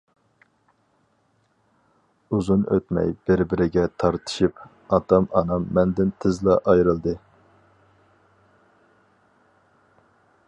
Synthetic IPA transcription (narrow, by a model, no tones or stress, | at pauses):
uzunø̰t̪mɛ̰jb̥ɪɾbɪɾɪɡʲɛt̪ʰɑɾt̪ʰɨ̥ʃip | ɑt̪ɑmɑnɑmːɛnd̪ɪnt̪ʰɪzlˠɑʔɑjɾɨlˠd̪ɨ